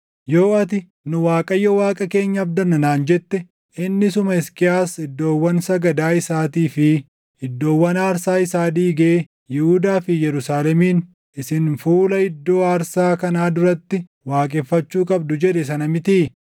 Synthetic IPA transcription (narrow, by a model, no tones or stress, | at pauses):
jo̞ːɐt̪ɪ | nʊwaːkʼɐjːɔwaːkʼɐke̞ːɲːɐːbd̪ɐnɐnaːnd͡ʒɛt̪ːɛ | ɪnːɪsʊmɐɪskɪaːsɪd̪ːo̞ːwːɐnsɐɡɐd̪aːɪsaːt̪iːfɪ | hɪd̪ːo̞ːwːɐnaːɾsaːɪsaːd̪iːɡɐe | jɪhud̪aːfɪjɛɾʊsaːlɛmiːn | ɪsɪnfuːlɐɪd̪ːo̞ːaːɾsaːkɐnaːd̪ʊɾɐt̪ːɪ | waːkʼɛːfːɐt͡ʃːuːkʼɐb̚d̪ʊd͡ʒɛᶑɛs̬ɐnɐmɪt̪iː